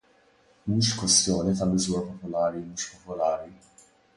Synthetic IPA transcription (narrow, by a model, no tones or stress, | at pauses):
muːʃkwɛst̪jɔːnit̪ɐmɪzuːɾɐpɔpʊlɐːɾimuːʃpɔpɔlɐːɾi